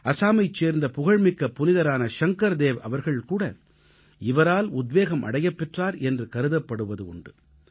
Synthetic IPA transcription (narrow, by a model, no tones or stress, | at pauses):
ɐsaːmɐɪt͡ʃːeːɾnd̪ɐpʊɣɐɻmɪkːɐpʊnɪðɐɾaːnɐʃɐŋkɐɾd̪eːʋɐ̰ʋɐɾɣɐɭkuːɽɐ | ɪʋɐɾaːlʊd̪ʋeːɣɐmʔɐ̰ɽɐjɐpːɛʈraːɾɛndrɯkɐɾɯðɐpːɐɽɯʋɐðɯʊɳɖɯ